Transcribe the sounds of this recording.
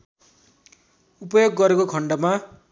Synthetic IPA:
upʌjoɡːʌɾekokʰʌɳɖʌma

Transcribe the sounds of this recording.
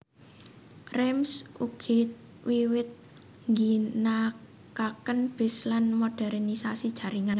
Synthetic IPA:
rɛmsuɡ̥ʰit̪̚ | wiwɪt̪̚ | ŋɡina | kakənb̥ɪ̤slanmoɖ̥ɛrnisasid̥ʒ̥ä̤ɾiŋaŋ

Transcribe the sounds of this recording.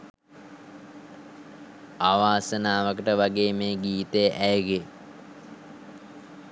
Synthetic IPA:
aːʋaːsənaːʋəkəʈəʋaɡeːmeːɡiːt̪ejʔæjəɡe

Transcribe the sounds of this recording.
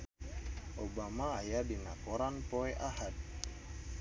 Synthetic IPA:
ʔobamaːjadinakoɾanpoɛʔahad̪̚

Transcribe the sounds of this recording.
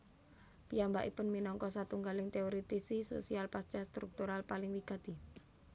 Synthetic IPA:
pijambaʔipʊnminɔŋkɔsat̪uŋɡalɪŋt̪eoɾit̪isiso̰sialpast͡ʃast̪ɾuk̚t̪uɾalpalɪŋwiɡ̥a̤t̪i

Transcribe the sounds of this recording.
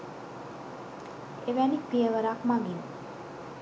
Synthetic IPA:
eʋænipiəʋəɾaːkmaŋɡin

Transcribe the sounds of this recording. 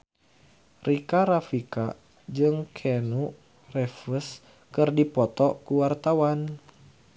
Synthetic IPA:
rikaɾafika̰ | d͡ʒɨŋkʰɛnu | rɛfəs | kɨrdipɔt̪ɔkuwart̪awan

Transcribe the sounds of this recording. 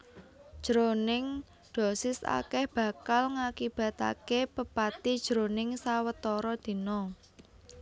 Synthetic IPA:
ʒ̥ɾonɪŋ | d̪̥o̤sɪsa̰kɛhb̥ä̤kalŋakib̥ä̤t̪a̰kepəpat̪id̥ʒ̥ɾonɪŋsawət̪ɔɾɔd̪̥i̤nɔ

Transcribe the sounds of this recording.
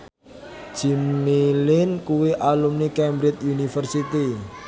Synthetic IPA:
ʒ̥i̤mlilɪnkuwiʔalumnikɛmbɾɪt̪̚unifərsit̪i

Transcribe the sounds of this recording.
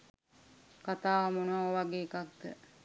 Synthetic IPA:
kat̪aːʋɐmonəʋaoʋaɡeːkak̚d̪ə̰

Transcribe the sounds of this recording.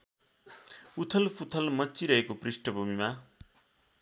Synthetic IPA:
ut̪ʰʌlpʰut̪ʰʌlmʌtːt͡siɾʌɦekoprisʈʌbʱumima

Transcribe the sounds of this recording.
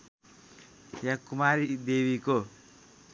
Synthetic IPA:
jakumaɾid̪ewiko

